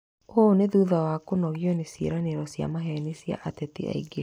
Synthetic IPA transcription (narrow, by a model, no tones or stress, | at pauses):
oneðuðawakonɔɣjɔnesḛɾaneɾɔsja̰maɦɛnesja̰ʔatɛtḛa̰iɡe